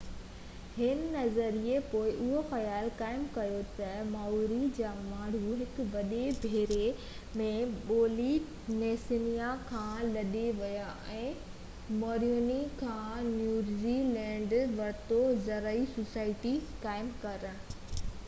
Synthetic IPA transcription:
hɪnɪ̆nɐzəɾiepoːɪʔʊɦoxɐjaːlkaːɪmkɐjot̪ɐmaːuɾid͡ʑaːmãːɽ̤uɦɪkʊʋɐɗebʱeːɾe | mẽɓoːli | neːsɪnijakʰãːlɐɗeʋɐjaʔɛ̃ː | moːɾjoːnikʰãːnjuːɾzilɛ̃ːɳɖʋɐɾt̪ozɐɾəisosaːɪʈikaːɪmkɐɾ

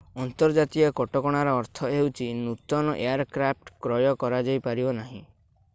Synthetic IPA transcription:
ɔnt̪ɔɾd͡ʒat̪iɔkɔʈɔkɔɽ̃aɾɔːɾt̪ʰɔewt͡ʃʰinut̪ɔnɔʔeaɾkɾap̚ʈkɾɔjɔkɔɾad͡ʒajpaɾibɔnaɦḭ̃

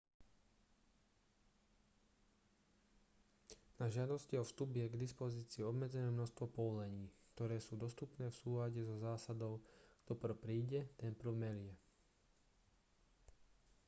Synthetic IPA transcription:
naʒɪad̪ɔsciɔfst̪ubjɛɡd̪ispɔziːt͡siːɔbmɛd͡zɛnɛːmnɔʃst̪ʋɔpɔʋɔlɛɲiːkt̪ɔɾɛːsuːd̪ɔst̪upnɛːfsuːlaɟɛzɔzaːsad̪ɔʊɡ̥d̪ɔpr̩pɾiːɟɛt̪ɛnpɾwmɛlɪɛ

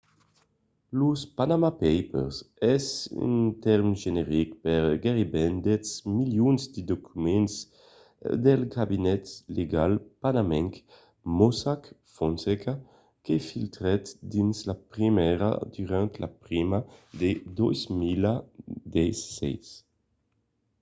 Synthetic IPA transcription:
luspanamapɛjpɛ̰ɾsɛzy̰nt̪ɛɾmʒeneʁikpɛɾɡeʁibɛnd̪ɛt̪smiljunzd̪id̪okʰymɛns | d̪elɡabinɛt̪leɡalpanamɛŋk | mɔsakfonseka | kefilt̪ɾɛt̪d̪inslapʁimɛɾa̰d̪yʁant̪la̰pɾimad̪ed̪ɔjzmilad̪ɛjsːɛ̰js

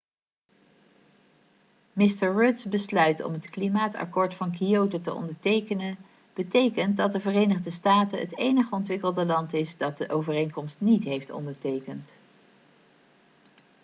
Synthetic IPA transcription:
mɪstəɹɹʊdzbəslœɥtɔ̰mətklimaːtɑ̰kɔːɹtfɑnkiowtətəɔ̰ndəɹtejkənən | b̥ətejkənt̚dɑt̚dəvərejnəχdəstaːtəɦə̰tejnəχəɔntʋɪkəlˠdəlɑntɪsdɑt̚dəʔowvərejnkɔmstnitɦejftɔ̰ndəɹtejkənt

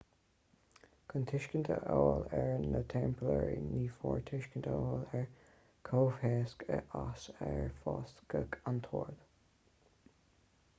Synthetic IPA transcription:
kʰənt̪ʰɪʃkənt̪ʰəʔoːlɛɹnət̪ʰɛmpəlɛɹḭniːfɔːɹt̪ʰɪʃkənt̪ʰəoːlɛɹ | kʰoːvhɛːskəʔasɛɹfɑːskəkʰant̪ʰoːɹd̪

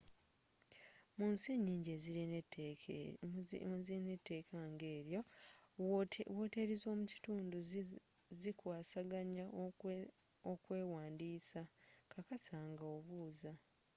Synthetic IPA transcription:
munsiɲiːɲɟe̞ziɾi | zine̞tːe̞ːkʰaŋɡe̞ːɾjo̞ | woːte̞ɾizo̞ːmuci̥tuːndu | zikwaːsaɡaɲa | okwe̞ːwaːndiːsakakasaŋɡaoβuːza

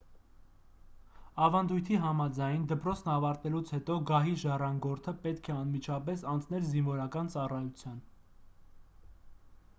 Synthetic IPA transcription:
ɑvɑnd̪ujt̪ʰiɦɑmɑd͡zɑjnd̪əpɾɔt͡sʰnɑvɑɾt̪ɛlut͡sʰhɛt̪ɔɡɑɦiʒɑrɑŋɡɔɾt̪ʰəpɛt̪kʰɛɑnmit͡ʃʰɑpɛsɑnt͡sʰnɛlzinvɔɾɑkɑnt͡sɑrɑjut͡sʰjɑn

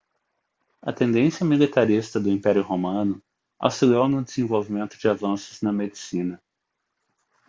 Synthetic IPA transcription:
ɐ̰t̪ẽnd̪ẽsijɐmilit̪aɾist̪ɐd̪ʊĩpɛɾjʊhomɐ̃nʊ | a̰wsiliownʊd̪ezẽvowvimẽnt̪ʊd͡ʒɪavɐ̃sʊznɐmed͡ʒisĩnɐ

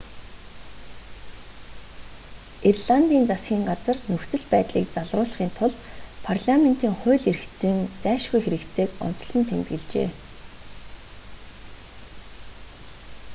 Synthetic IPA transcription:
irɮant̪iːnt͡sasɡʲiːŋɢat͡sə̆rnɵxt͡sɵ̆ɮpæːt̪ɮiːk̚t͡saɮrʊːɮ̆χiːnt̪ʰʊɮpʰarɮamen̥t̪iːŋχʊːɮerxt͡sɘ̆ŋt͡sæːʃɡujxeɾɘ̆kt̪t͡seːkʊ̰n̥t͡sɞ̆ɮɞ̆nt̪ʰemt̪ɡɘ̆ɮt͡ɕḛː

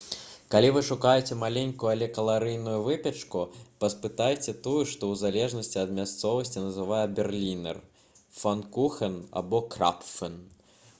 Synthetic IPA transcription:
kalʲivɨʂukajɛt͡sʲɛmalʲɛnʲkujualʲɛkɐlˠaɾɨjnujuvɨpʲɛt͡ʂkupɐspɨt̪ajt͡sʲɛt̪ujuʂt̪ɔwzalʲɛʐnɐsʲt͡sʲiɐd̪mʲast̪sɔvɐsʲt͡sʲinɐzɨvajɛbʲɛrlʲinɛ̰r | fankuxɐna̰bɔkɾa̰pfɛn

